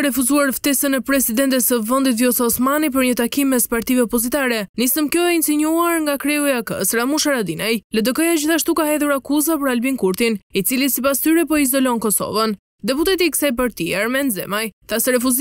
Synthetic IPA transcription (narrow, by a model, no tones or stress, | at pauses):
ɾɛfuzuaɾft̪ɛsənɛpɾɛsid̪ɛnt̪ɛsəvɔnd̪it̪vjɔsaɔsmanip̬əɾɲət̪akimɛspaɾt̪ivɛɔpɔzit̪aɾɛnisəmkjɔɛinsiɲuaɾŋɡakɾɛuiakə̰sɾamuʃaɾad̪inajlɛd̪əkɔjad͡ʑiθaʃt̪ukaɦɛðuɾakuzapəɾalbiŋkuɾt̪init͡silisipast̪yɾɛpɔizɔlɔnkɔsɔ̰vən | d̪ɛput̪ɛt̪̬ikə̥sajp̬aɾt̪iaɾmɛnzɛ̰majθasɛɾɛfuz